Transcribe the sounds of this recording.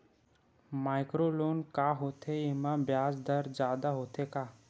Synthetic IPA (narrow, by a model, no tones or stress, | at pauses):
maːɪkɾoːloːnkaːɦoːt̪ʰeɪmãbjaːd͡ʒd̪əɾd͡ʒaːd̪aɦoːt̪ʰekaː